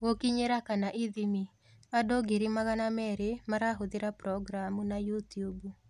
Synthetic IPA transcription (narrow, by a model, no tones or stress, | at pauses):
wokiɲeɾakanaʔiðimi | adoɡeɾimaɣanamɛɾemaɾaɦoðiɾapɾɔɡɾamunajutiubu